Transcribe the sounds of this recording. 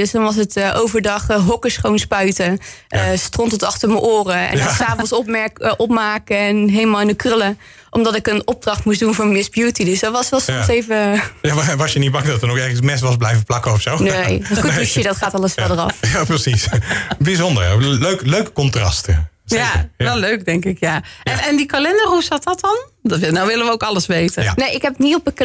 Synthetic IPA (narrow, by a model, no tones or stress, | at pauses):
døsdɑnʋɑs̬ətʔowvəɹdɑχɦɔkəsχownspœɥtəəstrɔntɔtɑχtəɹməʔoːrəɛ̰nsaːfɔnsɔpmɛkʔɔp̚maːkəɛnɦejləmaːlˠɪnəkrʏlə | ʔɔmdɑtɪkənɔb̚drɑχtmusdunvʊːɹmɪsbjuːtidøsdɔtʋɑsʋɛlˠsɔsejvəjaʋɑsjənit̚bɑŋdɔtənokɛɹχənsmɛsʋɑsblɛjvəplɑkəɔfsoneːxutisədɔtχaːtɑlˠəsfɛdərɑ̰fjaprəsisbizɔndə̰ɹløɥkløɥkə̥kɔntrɑ̰stəsjaəɛløɥk̚dɛŋkɪkjaɛnɛndikalɛndərusatɑtɑn | dnawʋɪləʋəowkɑlˠəsʋeːtəneɪkɦɛpətniɔpək